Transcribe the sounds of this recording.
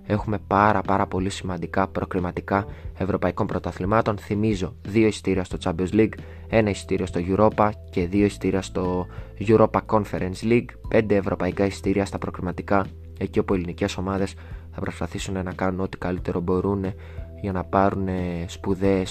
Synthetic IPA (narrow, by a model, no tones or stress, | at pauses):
e̞xume̞pɐɾɐpɐɾɐpo̞lisimɐnd̪ikɐpɾʔo̞kɾimɐt̪ikɐe̞vɾo̞pɐiko̞mpɾo̞t̪ɐθlimɐt̪o̞nθimizo̞ðio̞ist̪iɾiɐst̪o̞t͡sɐbelzliɡ | e̞nɐisi̥t̪iɾiost̪o̞ʝuɾo̞pɐce̞ðio̞isi̥t̪iɾiɐst̪o̞ʝuɾo̞pɐko̞nfe̞ɾensliɡpe̞nd̪eːvɾo̞pɐikɐisi̥t̪iɾiɐst̪ɐpɾo̞kɾimɐt̪ikɐ | e̞ciopue̞linice̞so̞mɐðe̞sθɐpɾo̞spɐθisune̞nɐkɐnuno̞t̪i̥kɐlit̪e̞ɾo̞bo̞ɾune̞ | ʝɐnɐpɐɾune̞spuðe̞s